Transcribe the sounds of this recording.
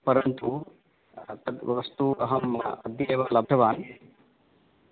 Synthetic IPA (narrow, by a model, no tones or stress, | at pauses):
pɐɾɐnt̪u | ɐʋɐst̪uɐɦɐmɐd̪jieːʋalɐb̚ɖ̪ɐʋaːn